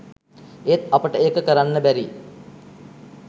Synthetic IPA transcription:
et̪apəʈəeːkəkəɾanːəbæɾi

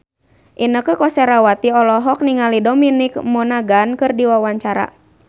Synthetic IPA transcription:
ʔinəkəkɔsɛɾawat̪iɔlɔɦɔk̚niŋalidɔminikmɔnaɡankɨrdiwawaɲt͡ʃaɾa̰

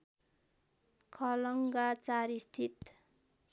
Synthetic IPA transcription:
kʰʌlʌŋɡat͡saɾist̪ʰit̪

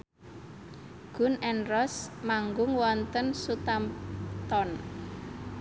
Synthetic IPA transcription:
ɡ̥ʊ̤nɛnrɔsmaŋɡʊŋwɔnt̪ənsut̪amt̪ɔn

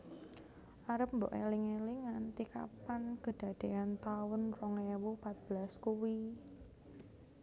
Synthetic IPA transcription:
ʔaɾəp̚mbo̰ʔeliŋeliŋant̪ika̰pankəd̥a̤d̥e̤ant̪aʊnrɔŋewupat̪̚b̥əlaskuwi

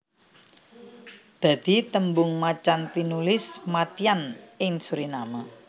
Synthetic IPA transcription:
d̪̥a̤d̪̥i̤t̪əmbʊŋmat͡ʃant̪inulɪsmat̪ianɪŋsuɾinama

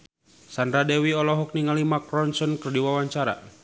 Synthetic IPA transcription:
sanɾadɛwiɔlɔɦɔk̚niŋalimakɾɔnsɔnkərdiwawaɲt͡ʃaɾa̰

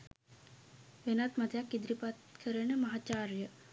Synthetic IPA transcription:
ʋenat̪məd̪ʱjakid̪ɾipat̪kʰəɾeɳəməɦat͡ɕaɾjə

